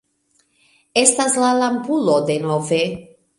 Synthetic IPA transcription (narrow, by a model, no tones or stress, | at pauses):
estaslalampulo̞de̞nove